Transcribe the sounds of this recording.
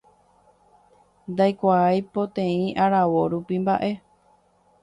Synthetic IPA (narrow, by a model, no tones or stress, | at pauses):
nd̪ajkʷaːjpo̞t̪ẽĩʔaɾaʋo̞ɾupimbaʔe̞